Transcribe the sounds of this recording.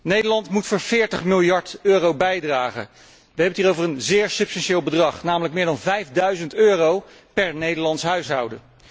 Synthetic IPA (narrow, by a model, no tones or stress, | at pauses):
nejdəɹlɑntmutfoːɹv̥ɪːɹtəχmɪlˠjɑɹtøːrowbɛjdraːχə̰ | ʋəɦɛbəntiːrowvərənzɪːɹsɵpstɑnʃeːlˠbədrɑχnaːmələkmɪːɹdɑnvɛjvdœɥzəntøːrow | pɛɹnejdəɹlɑntsɦœɥsɦʌwdə